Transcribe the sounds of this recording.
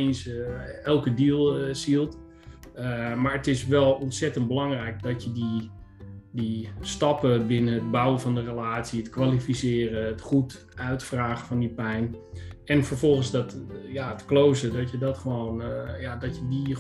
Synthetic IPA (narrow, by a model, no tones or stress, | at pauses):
nsɛlˠkədilˠsilˠt | maːɹətɪsʋɛlˠɔntsɛtənd̚bəlɑŋrɛjk̚dɔtjədi | distɑpəbɪnəət̚bawəfɔndərəlaːtsiətkʋalifisɪːrəətχut | œɥtfraːɣəfɔndipɛjnɛnfəɹfɔlˠχənsdɔtjatklowzədɔtjədɔtχəʋoːnjadɔtjədi